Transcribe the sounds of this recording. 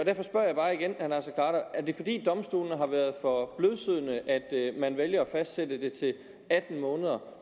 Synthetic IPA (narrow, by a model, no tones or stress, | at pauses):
ɒdæɐfɒ̽sb̥ɶɐ̰jɑ̈ɪbɑ̈ːiɡ̥enhænæsɐkʰɑ̰̈ːɾɐæɐd̥e̝fɒ̽d̥ḭːd̥ɒ̽msd̥ṵːlnəɦɑ̈ʋæɐð̞ˠfɒ̽b̥løðˠsyð̞̰ˠnəʔæd̥mænʋeljɐɒfæsd̥sedəd̥e̝t͡sʰe̝l | æd̥n̩mɔ̽ːnəð̞ˠɐ